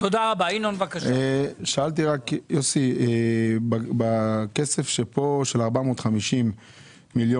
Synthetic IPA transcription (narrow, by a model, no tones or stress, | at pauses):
t̪od̪aʁabainonvakaʃeʃaalt̪̬iʁakjosiebabakese̞fʃepo̞ʃelaʁbamoːt̪χamiʃimː | iljo